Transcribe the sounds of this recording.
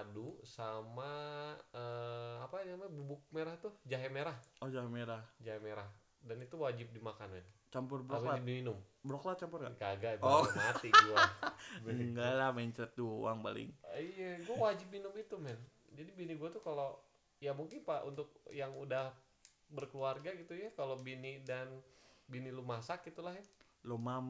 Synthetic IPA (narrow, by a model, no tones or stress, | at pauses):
dusama | əapaamabubʊk̚meɾaht̪ʊd͡ʒaɦɛmeɾahɔhd͡ʒaɦɛmeɾahd͡ʒaɦemeɾah | danit̪uwad͡ʒɪp̚dimakanant͡ʃampʊrbɾaalad͡ʒidiminʊmbəɾɔklat͡ʃampʊrɡaɡaɡapɔmat̪iɡua | ɡalahmɛɲt͡ʃɛt̪̚duo̰aŋpalɪ̰ŋijaɡuawad͡ʒɪp̚minʊmit̪umɛnd͡ʒadibiniɡuat̪ukalo | jamuŋkɪnpaʔṵnt̪ʊk̚jaŋudah | bərkəluarɡaɡit̪ujakalobinidanbinilumasak̚it̪ulahja | lomam